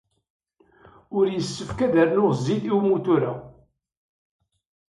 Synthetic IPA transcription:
ʊɾjəsːəfkæðəɾnʊʁzːiθiwmut̪uɾa

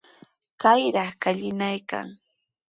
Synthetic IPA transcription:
kajɾɑχkaʎɪnajka̰ŋ

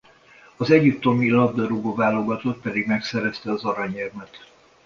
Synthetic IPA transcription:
ɒzɛɟip̚t̪ːo̞milɒb̚d̪ɒɾuɡovaːlo̞ɡɒt̪ot̪̚pɛd̪iɡmɛksɛɾɛst̪ɛɒzɒɾɒɲɛrmɛt̪

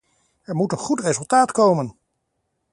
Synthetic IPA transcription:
ɛɹmutənχutrezɵlˠtaːtkowmən

